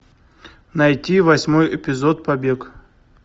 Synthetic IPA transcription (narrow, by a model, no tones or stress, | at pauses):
nɐjtʲivɐsʲmojɪpʲɪzot̪pɐbʲek